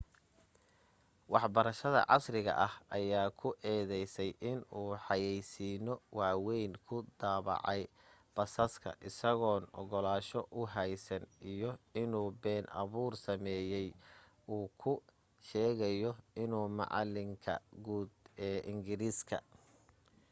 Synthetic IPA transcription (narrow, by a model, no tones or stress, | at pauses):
wɑħbɐɾɐʃɐðɐ̰ʕɑ̰srɪɣɐ̰ʔɐhʔɐjaːkʰʊʔɛːðɛjsɛjʔɪnuːħɑjɛjsiːnɔwɑːwɛjnkʰʊd̪aːβɑ̰ʕɑj | b̥ɐsɐskʰɐ̰ʔɪsɐɣɔːnɔ̰ɣɔlaːʃɔʔʊɦɛjsɐnʔijɔɪnuːbɛːnʔɐ̰βuːrsɐmɛːjɛj | uːkʰʊ | ʃɛːɣɐjɔɪnuːmɑ̰ʕɑ̰lɪŋkʰɐ̰ɡuːd̪ɛːʔɪŋɡɪɾiːskʰɐ̰